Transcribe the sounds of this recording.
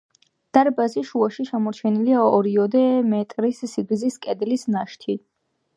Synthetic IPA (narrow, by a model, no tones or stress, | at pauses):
d̪̥aɾbaziʃuaʃiʃamɔɾt͡ʃʰɛniliaɔɾiɔd̪ɛmɛt̪ʼɾisːiɡziskʼɛd̪lisnaʃt̪ʰi